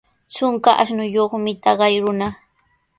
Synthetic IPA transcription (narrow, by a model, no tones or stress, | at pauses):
t͡sʊŋkaʔaʃnʊjoχmɪt̪ɑɢɑjɾʊna